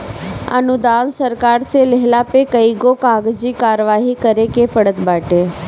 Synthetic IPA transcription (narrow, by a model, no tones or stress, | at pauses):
ə̰nʊd̪aːnsəɾkaːɾseleɦlapekəiɡokaːɡd͡ʒikaːɾəʋaːɦikəɾekepəɽət̪baːʈeː